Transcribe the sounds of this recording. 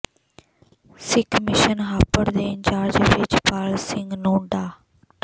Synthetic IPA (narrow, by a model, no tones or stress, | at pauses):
sɪkʰmɪʃənɦaːpəɽd̪eːɪ̃nt͡ɕaːɾd͡ʒəʋɪt͡ʃpaːlsɪ̃ŋɡnũːɖaː